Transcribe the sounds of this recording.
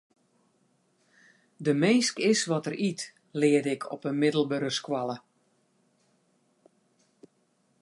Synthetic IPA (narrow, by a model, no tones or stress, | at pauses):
dəmeːskɪsʋɔtərit | lɪːədɪkʰɔ̰pənmɪdəlˠbøɾəskwalˠə